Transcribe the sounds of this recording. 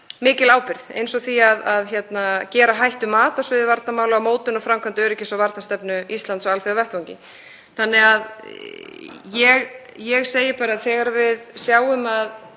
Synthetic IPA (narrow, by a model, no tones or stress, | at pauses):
mɪːcɪlaːwpɪɾðḛjnsɔθiaðaðçɛt̪nacɛːɾaɦajht̪ʏmːaːt̪asvʏðɪvaɾt̪namaːwlʏɣamoːwt̪ʏnɔfɾamkʰant̪ʏɛɾɛcːɪsɔvaɾt̪ast̪ɛpnʏist̪lant̪saalθeavɛht̪vawɲcɪ̰ | θanːɪɣað | jɛɣ | jɛɣseːjɪpaːɾaθɛːɣaɾavɪðsjaːwʏmað